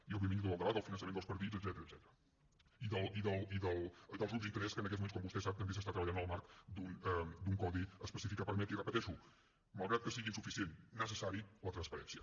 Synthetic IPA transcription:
iəlˠβuimind̪uəlˠd̪əβaəlˠfinənsəmend̪lˠspəɾt̪izəd̪zɛt̪əɾəzɛt̪əɾə | iðəlˠiðəlˠiðəlˠðəlˠzuzint̪əɾɛskənəkɛtzmumens̬kɔmbust̪ɛsap̚t̪əmbes̬əst̪at̪ɾəβəʎanəlˠmaɾkd̪und̪uŋkɔðiəspəsifikapəɾmɛt̪irəpət̪ɛʃu | məlˠɣɾat̪̚kəsiɣinsufisienːəs̬əsaɾilət̪ɾənspəɾɛnsiə

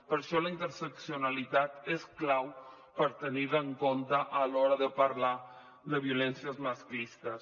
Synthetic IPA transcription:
pəɾʃɔləint̪əɾsəksiunəlit̪at̪esklaw | pəɾt̪əniðəːŋkont̪əʔːlɔɾəðəpəɾla | d̪əβ̞iulɛnsiəzmaskist̪əs

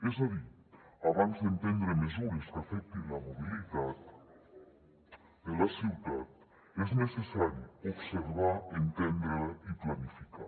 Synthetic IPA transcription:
ezaði | aβanzðẽnt̪ẽnd̪ɾemezuɾeskafɛk̚t̪enlamoβiliðat̪ | d̪elasiwðat̪ | eznesesaɾjuoβseɾβaent̪ẽnd̪ɾiplanifika̰

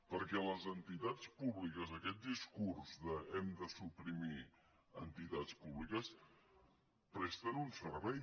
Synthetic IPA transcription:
pəɾkɛləzənt̪it̪at͡spuβlikəzəkɛt̪̚d̪iskurzðəɛmd̪əsupɾimi | ənt̪it̪at͡spuβlikəs | pɾɛst̪ənunsəɾβɛj

